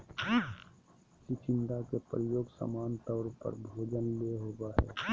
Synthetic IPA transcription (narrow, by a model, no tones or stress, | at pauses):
t͡ʃɪt͡ʃɪ̃nd̪akepɾəjoːɡsa̰maːnt̪ɔːɾpə̰ɾbʱoːd͡ʒənleɦoːbaɦɛ̰ː